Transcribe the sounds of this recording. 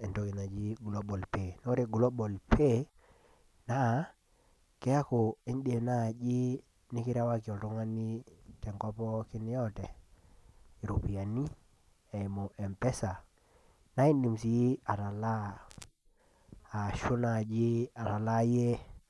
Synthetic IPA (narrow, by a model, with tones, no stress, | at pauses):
ɛ˨ndɔ˦ki˨na˨d͡ʒi˦ɡlɔ˦bɔ˨lpe˨nɔ˦ɾe˦ɡlɔ˦bɔ˨lpʰe˦ | na˦ | kɛ˦ja˦kɔ˨e˦nde˨na˦˨d͡ʒɪ˦ | nɪ˦kɪ˦ɾa˦wa˦kɪ˨ɔ˨lɾɔ˦ŋa˦nɪ˦tɛ˨ŋkɔ˦pɔ˦kɪ˦nɪ˦ɔ˦tɛ˨ | i˨ɾo˨pi˨a˨ni˦ | ɛ˨i˨mɔ˨ʔɛ˨mpɛ˦sa˨ | na˦i˦ndi˨msi˨ji˦a˨ɾa˨la˦˨ | ʃʊ˦na˨d͡ʒɪ˦a˨ɾa˨la˦je˦